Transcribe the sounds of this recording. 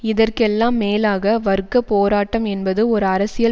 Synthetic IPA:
ɪðɐrkɛlːaːmːeːlaːɣɐʋɐɾɯkːɐpoːɾaːʈːɐmɛnbɐðɯɔɾɯɐɾɐsɪjɐ

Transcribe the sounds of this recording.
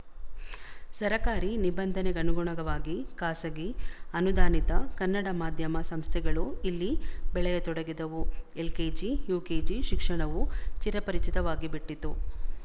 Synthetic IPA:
sɐɾɐkaːɾinibɐnd̪ʱɐnɛɡɐnuɡuɳɐɡɐʋaːɡikaːsɐɡiɐnud̪aːnit̪ɐkɐnːɐɽɐmaːd̪ʱjɐmɐsɐmst̪ʰɛɡɐɭuilːibɛɭɛjɐt̪ɔɽɐɡid̪ɐʋuelkeːd͡ʒijuːkeːd͡ʒiʃikʂɐɳɐʋut͡ʃiɾɐpɐɾit͡ʃit̪ɐʋaːɡibiʈːit̪ːu

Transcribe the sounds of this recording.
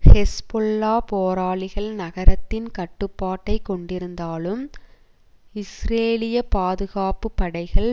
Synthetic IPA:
hɛspɔɭːaːpoːɾaːɭɪɣɐɭnɐɣɐɾɐt̪ːɪnkɐʈːɯpːaːʈːɐɪkːɔɳɖɪɾɯnd̪aːlɯm | ɪsɾeːlɪjɐpaːðɯɣaːpɯpːɐɽɐɪɣɐɭ

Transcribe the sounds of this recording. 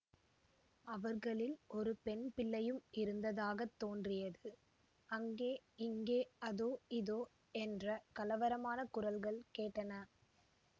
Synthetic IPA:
ɐʋɐɾɣɐɭɪlɔɾɯpɛnpɪlːɐjɯmɪɾɯnd̪ɐðaːɣɐt̪ːoːndrɪjɐðɯ | ɐŋɡeːɪŋɡeːɐðoːɪðoː | ɛndrɐkɐlɐʋɐɾɐmaːnɐkʊrɐlɣɐɭkeːʈːɐnɐ

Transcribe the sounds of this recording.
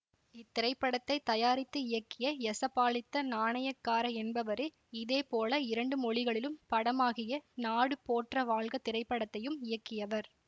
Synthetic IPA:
ɪt̪ːɪɾɐɪpːɐɽɐt̪ːɐɪt̪ːɐjaːɾɪt̪ːɯɪjɐkːɪjɐɛsɐpːaːɭɪt̪ːɐnaːɳɐjɐkːaːɾɐɛnbɐʋɐɾɯ | ɪðeːpoːlɐɪɾɐɳɖɯmɔɭɪɣɐɭɪlɯmpɐɽɐmaːɣɪjɐnaːɽɯpoːʈrɐʋaːɭɣɐt̪ɪɾɐɪpːɐɽɐt̪ːɐjɯmɪjɐkːɪjɐʋɐɾ

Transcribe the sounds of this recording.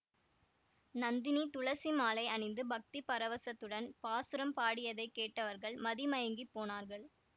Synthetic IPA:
nɐnd̪ɪnit̪ʊɭɐsimaːlɐɪɐɳɪnd̪ɯbɐk̚t̪ipɐɾɐʋɐsɐt̪ːɯɽɐnpaːsɯɾɐmpaːɽɪjɐðɐɪkːeːʈːɐʋɐɾɣɐɭmɐðimɐjɐŋɡipːoːnaːɾɣɐɭ

